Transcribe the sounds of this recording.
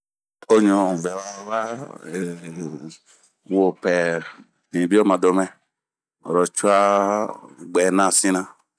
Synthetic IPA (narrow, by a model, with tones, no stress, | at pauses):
o˦ɲɔ̃˨ũ˨vɛ˨wa˦va˦e˨ | wo˨pɛ˨ | nĩ˨bi˦o˦mã˨do˨mɛ̃˦˨ | o̰˨ɾɔ˨t͡ʃu˦a˦ | ɡ͡bɛ˨nã˦sĩ˦nã˦